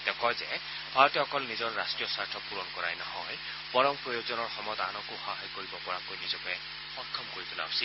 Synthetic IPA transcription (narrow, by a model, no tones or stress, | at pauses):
tɛkɔjzɛ | b̥ʱaɹɔtiɔkɔlnizɔɹɹastɹijɔsaɹtʰɔpuɹɔnkɔɹa̰jnahɔ̰j | pɔɹɔmpɹɔjozɔnɔɹxɔmɔjɔt̪anɔkʊxɔɦajkoɹibɔpɔɹakojnizɔkɛ | xɔtkʰːɔmkoɹit̪ula̰ʊsil